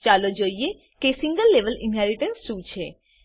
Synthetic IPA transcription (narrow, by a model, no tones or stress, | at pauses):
t͡ʃalod͡ʒoie | kesiŋɡəlːeʋəlḭnɦɛɾiʈənsʃut͡ʃʰe